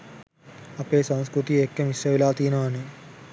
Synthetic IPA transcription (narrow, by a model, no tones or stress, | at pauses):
ɐpeːsanskɾut̪iekːemisjɐʋilaːt̪iːnɐane